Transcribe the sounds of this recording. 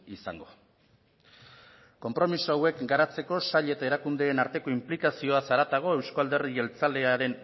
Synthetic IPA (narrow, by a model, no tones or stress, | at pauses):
isa̰ŋɡo̞ | ko̞mpɾo̞misoawe̞kɡaɾat͡se̞ko̞saʎe̞t̪ae̞ɾakund̪e̞ːnaɾt̪e̞ko̞implikasio̞asaɾat̪aɣ̞o̞e̞wskoald̪e̞riɣelt͡sale̞aɾe̞n